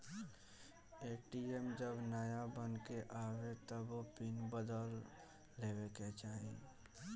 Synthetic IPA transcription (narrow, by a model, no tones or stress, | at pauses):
eːʈiemd͡ʒəbnaːjabənkeʔaːwet̪əbpinbəd̪əlː | eːweket͡ʃaːɦḭ